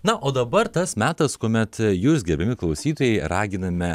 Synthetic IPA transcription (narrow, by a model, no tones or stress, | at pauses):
nɐʔoːd̪ɐbɐɾt̪ɐsmʲæːt̪ɐskoːmʲɛt̪juːs̬ɡʲɛbʲɛmʲɪklˠɐʊsʲiːt̪oːjɛɪɾɑːɡʲɪnɐmʲɛ